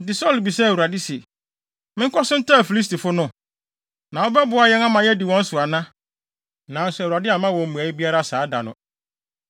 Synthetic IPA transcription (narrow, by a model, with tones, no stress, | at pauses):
dɪ˨sɔ˦˨lbi˨sɛ˦˨wu˨ɾa˨dɪ˦se˨ | mɪ̃˦ŋ˦kʰɔ˦sʊ̃˦n̩˦tʰã˦˨fi˨li˦s̬ti˨fʊ˦nʊ̃˦ | nã˨wo˦bɛ˦bʊ˨a˨jɛ˦ŋã˦mã˨jɛ˦dɪ˨wɔ̃˦n̩˦sʊ˨a˨nã˦ | nã˨n̩˨sʊ˨u˨ɾa˨dɪ˦a˨mã˦wɔ̃˨m̩˦mũ˨æ˨jɪ˦bi˦a˦ɾa˦saː˨˦da̰˨nʊ̰̃˨